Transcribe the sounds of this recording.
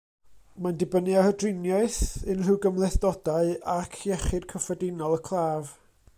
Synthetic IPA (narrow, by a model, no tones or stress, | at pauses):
mandɪbənɨahədrɪnjaɨθɨnr̥ɪwɡəmlˠɛθd̥ɔdaɨakʰjɛχɨd̥kʰəfɔdɪnɔlˠəkʰlˠaːv